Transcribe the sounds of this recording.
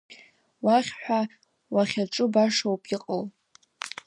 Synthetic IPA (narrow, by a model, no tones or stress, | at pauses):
waχʲħʷᶣa | waχʲaʈ͡ʂʼʊbaʂowpʰʼiqʼəl